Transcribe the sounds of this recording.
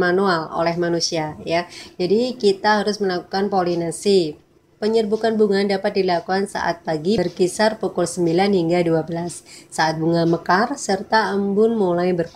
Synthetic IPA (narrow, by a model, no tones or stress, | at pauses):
manualo̰lɛhmanusiajad͡ʒadikit̪aɦaɾʊsməlaku̥kanpolinasi | pəɲərbukanbuŋandapat̪̚dilakuansa̰ʔa̰t̪̚paɡirkisarpukʊlsəmbilanhiŋɡaduabəlasːaʔat̪̚buŋaməkarsərt̪aʔəmbʊnmulajbərk